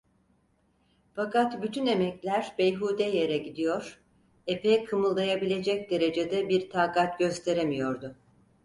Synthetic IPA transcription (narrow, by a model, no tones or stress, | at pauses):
fakat̪byt̪ʰyne̞mɛclʲæɾbejɦuːd̪ɛje̞ɾɛɟid̪ijo̞ɾ̥ | epɛkʰɯmɯlˠːajabilʲe̞d͡ʒɛc̚d̪e̞ɾe̞d͡ʒed̪ɛbiɾt̪ʰaːkat̪̚ɟø̞st̪ʰe̞ɾemijo̞ɾd̪ʊ